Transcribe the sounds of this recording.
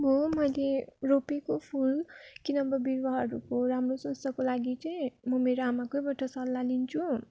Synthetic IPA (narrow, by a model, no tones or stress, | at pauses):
mʌmʌjleropekopʰulkinʌbʌbiɾbʌɦʌɾukoɾamrosʌnst̪ʌkolaɡit͡sʌj̃mʌmeɾoamakojbʌʈʌsʌlːalint͡sʰu